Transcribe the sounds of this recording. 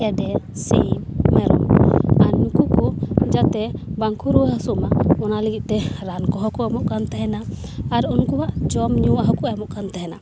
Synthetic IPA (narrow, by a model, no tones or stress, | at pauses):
ɛɖɛsḭmːɛɾɔ̰maɾnukukɔd͡ʒat̪ɛbaŋkʰuɾuwəɦasumaɔnaliɡit̪̚t̪ɛɾankɔɦɔkɔɛmɔʔkant̪aɦɛnaː | ɾunkuwaʔd͡ʒɔmɲuwaɦɔkɔɛmɔʔkant̪aɦɛna̰